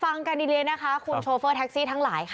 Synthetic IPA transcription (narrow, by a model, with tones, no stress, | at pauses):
fa˧ŋka˧ndiː˧li˧jna˦˥kʰa˦˥kʰu˧nt͡ɕʰoː˧fɤː˥˩t̪ʰɛ˦˥k̚siː˥˩t̪ʰa˦˥ŋlaː˩˦jkʰ